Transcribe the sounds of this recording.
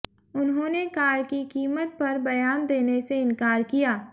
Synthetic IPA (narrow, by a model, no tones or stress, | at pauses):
ʊnɦõːnekaːɾkikiːmət̪̚pɐɾbɐjaːnd̪eːneseɪ̃nkaːɾkijaː